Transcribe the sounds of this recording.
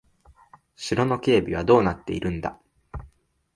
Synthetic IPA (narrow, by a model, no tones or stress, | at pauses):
ɕiɾo̞no̞kʲe̞ːbʲiβ̞ad̪o̞ːnat̪ːe̞iɾʔɯ̟̃nd̪a̰